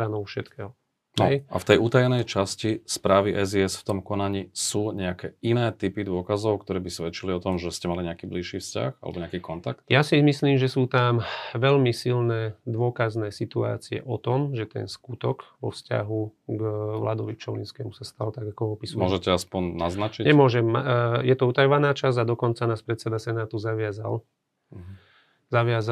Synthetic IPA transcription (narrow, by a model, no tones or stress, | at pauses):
anɔʊfʃɛt̪kɛːɦɔ | nɔja̰ft̪ɛjuːt̪ajɛnɛjt͡ʃascispɾaːʋiʔɛziɛsft̪ɔmkɔnaɲisuːɲɛakɛinɛːt̪ipid̪ʊɔkazɔʊkt̪ɔɾɛːbisʋɛt͡ʃiliɔt̪ɔmʒɛscɛmaliɲɛakiːbliʃiːfsca̰xa̰lɛ̰bɔɲɛakiːkɔnt̪ak̚t̪̚jasimisliːmʒɛsuːt̪amʋɛlmisilnɛːd̪ʋʊɔkaznɛːsit̪ua̰ːt͡siɛ̰ʔɔt̪ɔmʒɛt̪ɛ̰nskut̪ɔkʋɔ̰fsca̰ɦuɡʋla̰d̪ɔʋit͡ʃɔlinskɛːmusast̪alt̪aɡakɔɔpismɔʒɛcɛaspɔnnaznat͡ʃiɲɛmʊɔʒɛmajɛt̪ɔut̪ajɔʋanaːt͡ʃazad̪ɔkɔnt͡sanaːspɾɛt̪sɛd̪asɛnaːt̪uzaʋɪaza̰l | zaʋɪaza